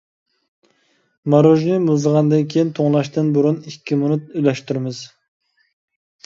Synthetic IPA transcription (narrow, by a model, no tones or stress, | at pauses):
mɑɾoʒnɨmuzʁɑnd̪ɨnkʲʰejint̪ʰoŋlˠɑʃt̪ɨnbuɾunikʲːimunut̪̚ylɛʃt̪yɾmɨz̥